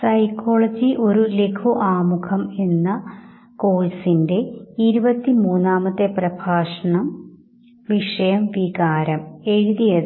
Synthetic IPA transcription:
sɐjko̞ːɭɐd͡ʑiʔo̞ɾulekʰuʔaːmukʰɐme̞nːɐ | ko̞ːlsinde̞iɾubɐt̪ːimuːnːaːmɐt̪ːeprɐbʱaːʂɐɳɐm | ʋiʂɐjɐmʋiɣaːɾɐme̞ɻuðijɐð

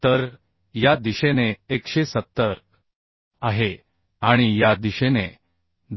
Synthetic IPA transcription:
t̪əɾ | jad̪iɕeneːkɕesət̪ːəɾ | aɦe | aɽ̃ijad̪iɕene | d̪

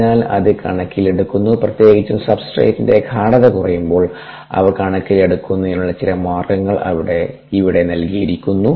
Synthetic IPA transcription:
aːlɐ̰ðɨkɐ̰ɳɐkːile̞ɽukːunːuprɐt̪je̞ːɡit͡ɕːumsɐbsʈrḛːtːinde̞ɡkʰaːɽɐðɐkurɐjumbo̞ːɭ | ɐ̰ʋɐkɐɳɐkːile̞ɽukːunːuenːuɭːɐt͡ɕilɐmaːrɡɐŋːɐɭɐ̰ʋiɽe̞ | iʋiɽe̞nɐlkijiɾikʲːunːu

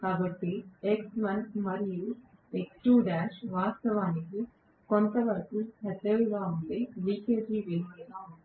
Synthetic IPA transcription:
kaːbɐʈːieksʋɐnmɐɾiju | eksʈuːɖaːʃʋaːst̪ɐʋaːniki | kont̪ɐʋɐɾɐkuhɛt̪ːeluɡaːuɳʈeːʋiːkeːd͡ʒiːʋeːmiːd̪aːund̪i

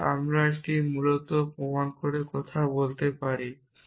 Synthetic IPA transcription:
a̰mɾaeʈimulot̪opɔmankoɾekɔt̪ʰabolt̪epaɾi

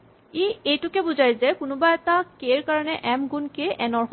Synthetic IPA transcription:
iejtukebud͡ʑajzekunubaɛt̪akeɾkaɹɔneʔɛmɡunkeʔɛnɔɹ

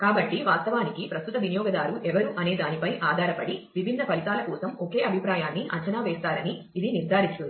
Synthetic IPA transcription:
kaːbɐʈːiʋaːst̪ɐʋaːnikipɾɐst̪ut̪ɐʋinijɔːɡɐd̪aːɾuʔɛʋɐɾuʔɐne̞ːd̪aːnipɐjʔaːd̪ʱaːɾɐpɐɽiʋibʱinːɐpɐlit̪aːlɐkɔːsɐmoke̞ːɐbʱipɾaːjaːnːiʔɐ̰ɲt͡ʃɐnaːʋeːst̪aːɾɐniːd̪iniɾd̪ʱaːɾit͡ʃ̪und̪i

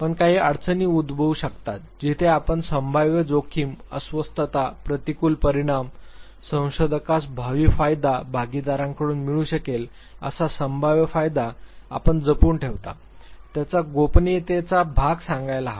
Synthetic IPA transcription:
pəɳkaɦiːəɽt͡səniːud̪bʱəuɕəkt̪at̪̚d͡ʑit̪ʰeapəɳsəmbʱaʋjəd͡zokʰiːmə̰sʋəst̪ət̪apɾət̪ikuːlpəɾiɽ̃am | sə̃w̃ɕod̪ʱəkasbʱaʋiːfajd̪abʱaɡid̪aɾãŋkəɽuːnmiɭũːɕəkel | ə̰sasəmbʱaʋjəfajd̪aa̰pəɳd͡zəpuːɳʈʰeʋt̪a̰ | t̪jat͡saɡopnit̪et͡sabʱaɡsãŋɡajlaɦa

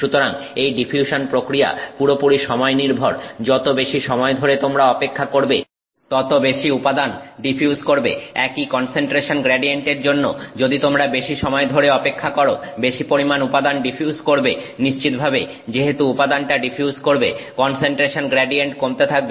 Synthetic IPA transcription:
ʃut̪oɾaŋejɖifʰiuʃonpɾokɾia̰puɾopuɾiʃɔmɔeniɾbʱoɾd͡ʑɔt̪obeʃiʃɔmɔed̪ʱoɾet̪omɾaɔpekʰːakoɾbe | t̪ɔt̪obeʃiupad̪anɖipʰiuskoɾbḛɛkikɔnseɳʈɾeʃonɡɾɛɖieɳʈeɾd͡ʑonːo̰d͡ʑod̪it̪omɾabeʃiʃɔmɔed̪ʱoɾeɔpekʰːakoɾobeʃipoɾimanupad̪anɖifʰiuzkoɾbeniʃt͡ɕit̪̚bʱabe | d͡ʑeɦet̪uupad̪anʈaɖipʰijuzkoɾbḛkɔnseɳʈɾeʃonɡɾeɖieɳʈkomt̪et̪ʰak̚be

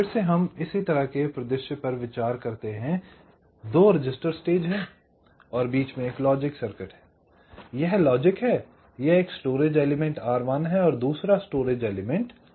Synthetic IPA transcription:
ɪɽseɦɐmɪsit̪ɐɾaɦkepɾɐd̪ɪʃjəpɐɾʋɪt͡ʃaːɾkɐɾt̪eɦɛ̃ | d̪oːɾɪd͡ʒɪsʈəɾsʈeːd͡ʒɦɛː | ɔːɾbiːt͡ʃmẽeːklɔːd͡ʒɪksɐɾkɪʈɦɛː | jɛɦlɔːd͡ʒɪkɦɛː | jɛɦeːksʈoːɾeːd͡ʒɛːlɪmɛ̃ɳʈaːɾʋaːnɦɛɔːɾd̪uːsɾasʈoːɾeːd͡ʒɛːlɪmɛ̃ɳʈ

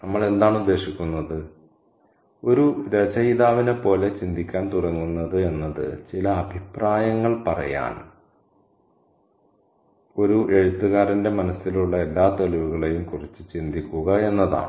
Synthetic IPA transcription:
nɐmːɐɭe̞nd̪aːɳud̪ːe̞ːɕikʲːunːɐðɨ | o̞ɾuɾed͡ʑɐjðaːʋinepːo̞ːle̞t͡ɕind̪ʱikʲːaːnt̪urɐŋːunːɐðɨe̞nːɐðɨ̰t͡ɕilɐːbʱipraːjɐŋːɐɭpɐrɐ̰ja̰ːn | o̞ɾuʔe̞ɻut̪ːuɣaːɾɐnde̞mɐnɐsːiluɭːɐe̞lːaːt̪oliʋuɣɐɭe̞jumkurit͡ɕːɨt͡ɕind̪ʱikʲːuɣɐe̞nːɐða̰ː

